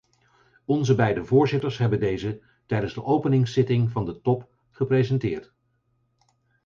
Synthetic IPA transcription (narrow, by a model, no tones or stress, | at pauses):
ɔnzəbɛjdəvʊːɹzɪtəɹsɦɛbəndejzə | tɛjdənzdəʔowpənɪŋsɪtɪŋvɑndətɔp | χəprezɛntɪːɹt